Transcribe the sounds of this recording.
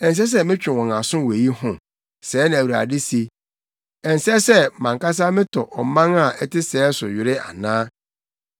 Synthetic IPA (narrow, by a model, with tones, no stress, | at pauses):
ɛ̃˨s̬ɛ˦s̬ɛ˦mɪ̃˦t͡ɕᶣɪ̃˨wɔ̃˨ŋa˨sʊ̃˦˨we˨ji˦hʊ̃˨ | sɛː˨˦nã˨æ˨wu˨ɾa̰˨dɪ˦se˦ | ɛ˨n̩˨sɛ˦sɛ˦˨mã˨ŋka˦s̬a˦mɪ̃˦tʰɔ˨ʔɔ˨˦mã˦ŋa˨ʔɛ˦tɪ˦sɛː˨˦sʊ˨ɥɪ˨ɾɪ˦a̰˨nãː˦